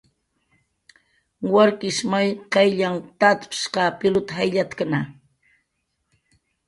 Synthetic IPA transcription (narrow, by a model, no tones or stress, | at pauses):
waɾkɪʃmajqɑjʎaŋt̪at̪pʃqɑpɪlʊt̪ahajʎat̪kana